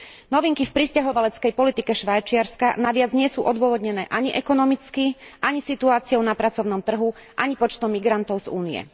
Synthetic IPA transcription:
nɔʋiŋkifpɾiscaɦɔʋalɛt͡skɛjpɔlit̪ikɛʃʋajt͡ʃɪaɾska̰naʋɪad͡zɲɪɛsuːʔɔd̪ʊɔʋɔd̪ɲɛnɛːʔaɲiʔɛkɔnɔmit͡skiʔaɲisit̪uaːt͡siɔʊnapɾat͡sɔʊnɔmt̪r̩ɦuʔaɲipɔt͡ʃt̪ɔmːiɡɾant̪ɔʊz̥ṵːnijɛ̰

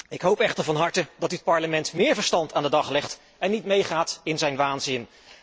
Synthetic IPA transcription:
ɪkɦowpɛχtəɹvɑnɦɑɹtədɑtyət̚pɑɹləmɛntmɪːɹvəɹstɑntaːndədɑχlɛχt | ɛnːitmejχaːtɪnzɛjnʋaːnzɪn

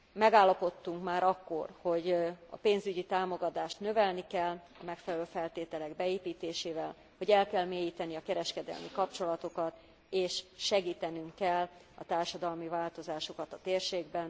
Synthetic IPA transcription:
mɛɡaːlːɒpo̞t̪ːuŋkmaːɾɒkːo̞̰rho̞ɟɒ̰peːnzyɟit̪aːmo̞ɡɒt̪aːʃt̪nø̞vɛlnikɛlːɒ̰mɛkfɛlɛløːfɛlt̪eːt̪ɛlɛɡbɛeːpiːt̪eːʃeːvɛl | ho̞ɟɛlkɛlmeːjiːt̪ɛniɒkɛɾɛʃkɛd̪ɛ̰lmikɒpt͡ʃo̞lɒt̪o̞kɒt̪ | eːʃʃɛɡiːt̪ɛnyŋkːɛl | ɒ̰t̪aːrʃɒd̪ɒlmivaːlt̪o̞zaːʃokɒt̪ɒt̪eːrʃeːɡbɛn

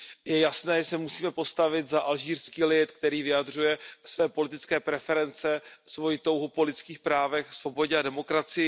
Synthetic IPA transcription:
jɛjasnɛːʒɛsɛmusiːmɛpo̞st̪avɪt̪zaʔalʒiːrskiːlɪt̪kt̪ɛɾiːvɪjad̪r̝ujɛsvɛːpo̞lɪt̪ɪt͡skɛːpɾɛfɛɾɛnt͡sɛsvo̞jɪt̪o̞wɦupo̞lɪtt͡skiːxpɾaːvɛxsvo̞bo̞ɟɛadɛmo̞kɾat͡sɪjɪ

